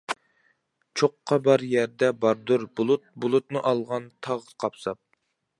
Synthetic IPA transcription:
t͡ʃʰoqʰːɑbɑɾjɛɾd̪ɛbɑɾd̪uɾbulˠut̪̚bulˠut̪̚nɨʔɑlˠʁɑnt̪ʰɑʁqʰɑpsɑp̚

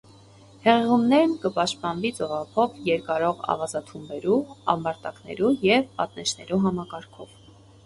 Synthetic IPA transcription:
hɛʁɛʁumnɛɾnkəpɑʃt̪pɑnvit͡sɔʁɑpʰɔvjɛɾkɑɾɔʁɑ̰vɑzɑt̪ʰumbɛɾuɑ̰mbɑɾt̪ɑknɛ̰ɾujɛvpɑ̰t̪̚nɛʃʰnɛɾuɦɑmɑkɑɾkʰɔv

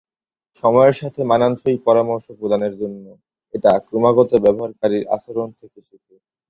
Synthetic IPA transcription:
ʃɔmɔeɾʃat̪ʰemananʃojpɔɾamoɾʃopɾod̪aneɾd͡ʑonːo | eʈakɾomaɡɔt̪obɛboɦaɾkaɾiɾa̰ʃoɾont̪ʰekeʃut̪u

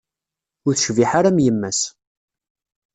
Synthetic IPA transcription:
ʊɾθʃviħaɾamjəmːæs

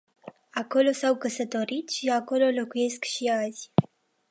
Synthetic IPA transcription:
ako̞lo̞sawkəsət̪o̞ɾit̪ʃiako̞lo̞lo̞kuje̞skʃiaz̥ʲ

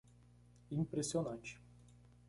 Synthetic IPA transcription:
impɾesionanʲt͡ʃʲ

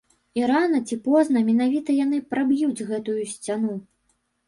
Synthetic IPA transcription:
iɾanɐt͡sʲipɔznɐmʲɛnavʲit̪ɐjanɨpɾabjud͡zʲɣɛt̪ujusʲt͡sʲanu

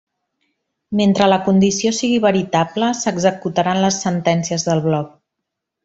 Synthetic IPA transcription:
ment̪ɾələkund̪isiosiɣiβəɾit̪abləsəɡzəkut̪əɾanləsːənt̪ɛnsiəzðəlˠβlɔk̚

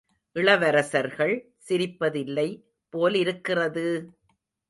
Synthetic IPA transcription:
ʔɪɭɐʋɐɾɐsɐɾɣɐɭ | sɪɾɪpːɐðɪlːɐɪ | pːoːlɪɾɯkːɪrɐðɯ

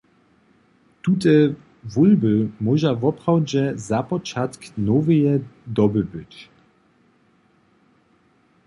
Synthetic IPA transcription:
t̪ut̪ɛ | vulbɘmɔʒavɔpχawd͡ʑɛzapɔt͡ʃat̪knɔvɛjɛd̪ɔbɘbɘt͡ɕ

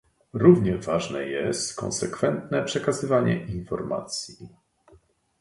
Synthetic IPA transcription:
ɾuvɲɛvaʐnɛ̰jɛst̪kɔ̰̃nsɛkfɛnt̪nɛpʂɛkazɘvaɲɛ̰ʔinfɔɾma̰t̪sʲji

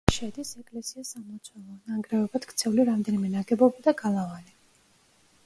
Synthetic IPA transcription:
ʃɛd̪isɛkʼlɛsiasamɔt̪sʰwɛlˠɔnaŋɡɾɛɔbat̪kʰʼt̪sʰɛvuliɾamd̪ɛnimɛnaɡɛbɔbad̪aɡalˠavali

